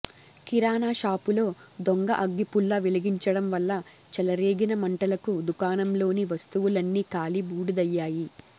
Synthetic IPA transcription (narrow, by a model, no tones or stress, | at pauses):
kiɾaːnaːʃaːpulo̞ːd̪oŋɡɐʔɐɡːipulːɐʋiliɡiɲt͡ʃɐɽɐmʋɐlːɐ | t͡ʃɛlɐɾeːɡinɐmɐɳʈɐlɐkud̪ukaːnɐmlo̞ːniʋɐst̪uʋulɐnːiːkaːlibuːɽud̪ɐjːaːji